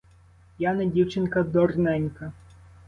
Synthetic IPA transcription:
janɐdʲiwt͡ʃɪnkɐd̪ɔrnɛnʲkɐ

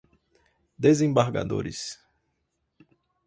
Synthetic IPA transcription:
d̪ezẽbaɾɡa̰d̪o̰ɾɪ̰s

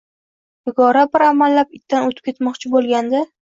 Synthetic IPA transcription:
hɪɡɒɾabɪɾamalːapɪt̪ːanot̪ʰɪ̥p̚kʰʲe̞t̪mɒqt͡ʃʰɪbolˠɡʲand̪ɪ

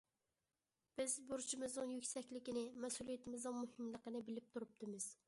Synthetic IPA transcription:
b̥ɪzbuɾʃimɨznɨŋjykʲsɛkʲlɪkʲinɪmɛsulˠijɛt̪ʰɪmɪznɨŋmuhɪmlˠəqənɨbɪlɪp̚t̪ʰuɾup̚t̪ʰɨmɨz̥

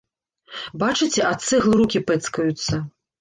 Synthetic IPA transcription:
bat͡ʂɨt͡sʲɛʔat̪sɨɣlˠɨɾukʲipɛt̪skɐjut̪sːɐ

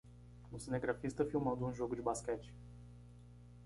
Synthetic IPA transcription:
usineɡɾafist̪əfiumad̪unʒoɡud͡ʒbaskat͡ʃ

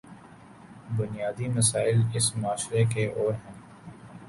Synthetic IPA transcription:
bʊnijaːd̪imɐsaːɪlɪsmʊaːʃɾekeʔoːɾɦɛ̃ː

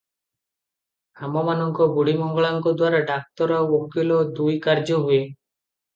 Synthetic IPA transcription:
amɔmanɔŋkɔbuɽimɔŋɡɔɭaŋkɔd̪waɾaɖak̚t̪ɔɾɔwokilɔd̪ujkaɾd͡ʒɔɦue

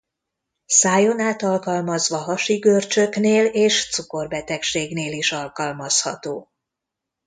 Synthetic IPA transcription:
saːjo̞naːt̪ɒlkɒlmɒzʋɒɦɒʃiɡørt͡ʃø̞kneːleːʃt̪suko̞rbɛt̪ɛkʃeːɡneːliʃɒlkɒlmɒshɒ̰t̪oː

